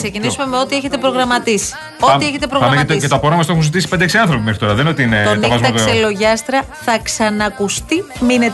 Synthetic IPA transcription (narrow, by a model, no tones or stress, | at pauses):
se̞cinisume̞me̞o̞t̪ieçet̪e̞pɾo̞ɣɾɐmɐt̪isi̥ | o̞ieçet̪̬epɾoɐɐmeɐt̪et̪opoɾɐmɐst̪oexunzit̪isiped̪eksiɐnθɾopimexɾit̪o̞ɾɐðenot̪iineonɐvɐzmɐselo̞ʝɐst̪ɾɐ | θɐksɐnɐkust̪iminet̪